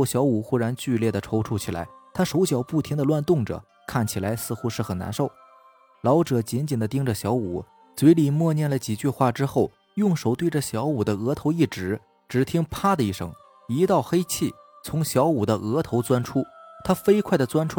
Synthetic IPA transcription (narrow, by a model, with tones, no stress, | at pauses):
ɕjɑ˧˥ʊu˨˩xu˥ɻa˧˥nt͡ɕy˥˧ljɛ˥˩d̪ə˩ʈ͡ʂʰo˧˥ʊʈ͡ʂʰu˥˩t͡ɕʰi˨˩la̰˧˥ɪt̪ʰa˥ʂo˧˥ʊɕjɑ˨˩ʊpu˥˩t̪ʰi˧˥ŋd̪ə˧lwa˥˧nt̪ʊ˥˩ŋʈ͡ʂɤ̰˨˩˦ | kʰa˥˩nt͡ɕʰi˨˩la˧˥ɪsɹ̩˥˧xu˥ʂɻ̩˥˩xə˨˩na̰˧˥nʂo˥˩ʊ | lɑ˧˥ʊʈ͡ʂɤ˨˩t͡ɕi˧˥nt͡ɕi˨˩nd̪ə˦t̪i˥ŋʈ͡ʂə˨ɕjɑ˧˥ʊṵ˨˩˦ | t͡swe˧˥ɪli˨˩mwɔ˥˧njɛ˥˩nlə˩t͡ɕi˨˩t͡ɕy˥˧xwa˥˩ʈ͡ʂɻ̩˥xo˥˩ʊ | jʊ˥˩ŋʂo˨˩ʊt̪we˥˧ɪʈ͡ʂə˩ɕjɑ˧˥ʊu˨˩d̪ə˦ɤ˧˥t̪ʰo˧˥ʊi˥˩ʈ͡ʂɻ̩˧˥ | ʈ͡ʂɻ̩˨˥˩t̪ʰi˥ŋpʰa˥d̪ə˧i˥˩ʂɤ̰˧˥ŋ | i˧˥t̪ɑ˥˩ʊxe˥ɪt͡ɕʰi˥˩ | t͡sʰʊ˧˥ŋɕjɑ˧˥ʊu˨˩d̪ə˦ʔɤ˧˥t̪ʰo˧˥ʊt͡swa˥nʈ͡ʂʰu˥t̪ʰa˥fe˥ɪkʰwa˥˩ɪd̪ə˩t͡swa˥nʈ͡ʂʰu˥